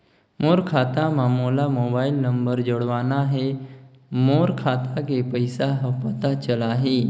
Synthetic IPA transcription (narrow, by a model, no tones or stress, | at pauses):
moɾkʰat̪amãmolamobailnəmbəɾd͡ʑoɽʋanaɦe | moɾkʰat̪ʰak̬epəjsaɦəpət̪at͡ɕəlaɦe